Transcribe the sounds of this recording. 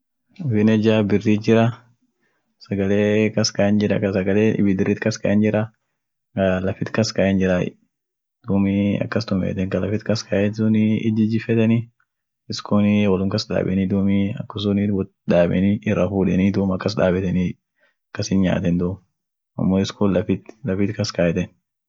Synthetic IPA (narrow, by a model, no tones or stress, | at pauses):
fɪnɛd͡ʒabɪrːid͡ʒɪɾɐ | sɐɡɐleːkɐskɐɛnd͡ʒɪɾɐkɐsɐɡɐleːɪ̰bɪd̪ɪrːɪt̪kɐskɐʔɛnd͡ʒɪɾɐ | kɐlɐfɪt̪kɐskɐʔɛnd͡ʒɪɾaːɪ̰ | d̪̥uːmiɐ̰kːɐst̪ʊmɛ̰ːt̪ɛŋkɐlɐfɪt̪kɐskʰɐʔɛnsʊnɪɪd͡ʒɪd͡ʒɪfɛt̪ɛni | ɪskʰoːnwɐlʊŋkɐsda̰ːbɛ̰nid̪uːmiɐ̰kːʊs̬ʊnib | ᶑaːbɛ̰nɪʔɪrːɐfuːᶑɛnid̪uːmɐkːɐs̬ᶑa̰ːbɛt̪ɛni | ɐkːɐsɪnɲa̰ːt̪ɛnd̪ʊm | ɐ̰mːoːɪskʰoːllɐfɪt̪lɐfɪt̪kɐskɐjɛt̪ɛn